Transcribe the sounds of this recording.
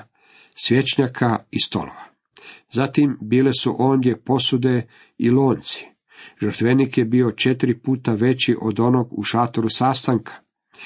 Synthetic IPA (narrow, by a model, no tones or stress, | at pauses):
sʋjet͡ʃɲakʰaist̪o̞̰lo̰ʋa | zat̪imbiːle̞suʔo̞ːnd̪ʲje̞po̞sud̪e̞ | iloːnt̪si̥ | ʒəɾt̪ʋenikjebio̞t͡ʃe̞t̪ɾipuːt̪aʋe̞t͡ɕiʔo̞d̪o̞no̞ɡṵʃat̪oɾusaːst̪aŋkʰḁ